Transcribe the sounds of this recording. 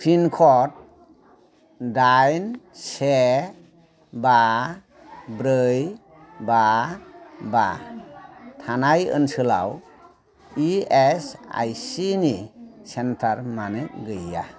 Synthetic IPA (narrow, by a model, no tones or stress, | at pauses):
pʰinkʰɔt̚ | dajnse | ba | bɾɯj | ba | ba | tʰanajɯ̰nsɯla̰w | iesa̰jsinisentʰaɾmanɯk̚ɡɯjːa̰